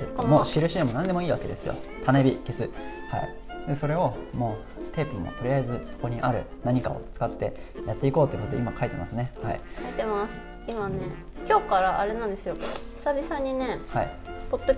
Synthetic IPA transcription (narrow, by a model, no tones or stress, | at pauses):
emo̞ːɕiɾɯ̟ɕiemo̞nãnd̪e̞mo̞iːβake̞d̪e̞sɨjo̰t̪ʰanebʲike̞sɨ | ha̰ḭ | d̪eso̞ɾe̞o̞mo̞ː | t̪e̞ːpɯmːo̰t̪o̞ɾʲiaizɨso̞̥ko̞ɲ̟iʔaɾɯ̟̰naɲ̟ika̰o̞̰t͡sɨ̥kat̪ːe̞jat̪ːe̞iko̞ːt̪o̞jɯ̟kot̪o̰imakait̪e̞masɨne̞ha̰ḭkait̪e̞masɨ̥ | imane | kʲo̞ːkaɾaʔaɾe̞nãnd̪e̞sɨjo̥sabʲisaɲ̟ːine̞haḭ | po̞t̪ːo